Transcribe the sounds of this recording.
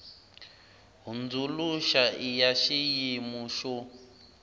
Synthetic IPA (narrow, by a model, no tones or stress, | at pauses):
ɦund͡zuluʃaijaʃijimuʃɔ